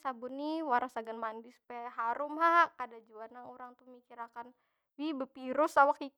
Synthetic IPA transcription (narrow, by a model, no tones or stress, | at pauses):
sabʊnːiwaɾasaɡanmandispɛɦaɾʊmɦakadad͡ʒuanauɾaŋt̪umikiɾakan | wibəpiɾʊsawaki